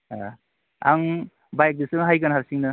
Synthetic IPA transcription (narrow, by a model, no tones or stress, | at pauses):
a | aŋ | bajk̚disɯnɦajkanɦaɾsiŋnɐ